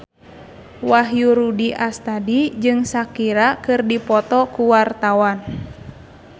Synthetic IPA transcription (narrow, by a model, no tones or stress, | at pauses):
waɦjuɾudiʔast̪adid͡ʒɨŋsakiɾakɨrdipɔt̪ɔkuwart̪awan